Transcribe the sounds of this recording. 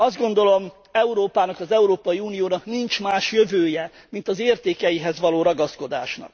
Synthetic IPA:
ɒzd̪̚ɡo̞nd̪o̞lo̞m | ɛuɾoːpaːnɒkɒzɛuɾoːpɒjiuːnijoːnɒknint͡ʃmaːʃjøvøːjɛ | mint̪ɒzeːrt̪eːkɛjiɦɛzʋɒloːɾɒɡɒsko̞d̪a̰ːʃnɒ̰k̚

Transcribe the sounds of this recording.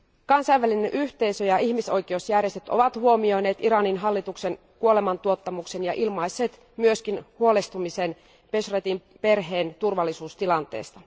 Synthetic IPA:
kɑnsɑjʋːælinenʔyht̪e̞isøjɑiçmiso̞jk̟ieosjærjest̪et̪o̞̰ʋɑt̪huo̞mio̞jne̞ːt̪iɾɑninɦɑlːit̪ukse̞n | kuo̞lemɑnt̪uo̞t̪ːɑmukse̞njɑʔilmɑjsːeːt̪ | myøskinhuo̞lest̪umise̞n | pesret̪im | pe̞rɦeːnt̪urʋɑlːisuːst̪ilɑnt̪ḛːst̪ɑ

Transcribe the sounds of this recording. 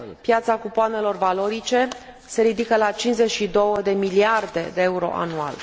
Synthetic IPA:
pjat̪sakupoane̞lo̞rvalo̞ɾit͡ʃe̞ | se̞ɾid̪ikəlat͡ʃint͡ʃʲze̞t͡ʃʃid̪o̞wəd̪e̞miliard̪e̞d̪e̞euɾo̞̰ʔa̰nua̰l

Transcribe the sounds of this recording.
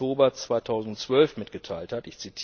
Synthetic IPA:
oːbɐt͡sv̥aɪtʰaʊzn̩tt͡sv̥œlfmɪtɡ̥ətʰaɪlthatɪçt͡sitʰi̥

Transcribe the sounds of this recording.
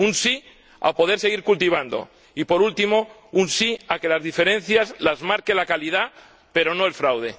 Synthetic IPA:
unsi | a̰po̞ð̞e̞ɾse̞ɣ̞iɾkult̪iβ̞and̪o̞̰ | ipo̞ɾult̪imo̞ | unsiake̞lazðife̞ɾẽ̞n̟θjazlazmaɾke̞lakalið̞a | pe̞ɾo̞no̞elfɾawð̞e̞

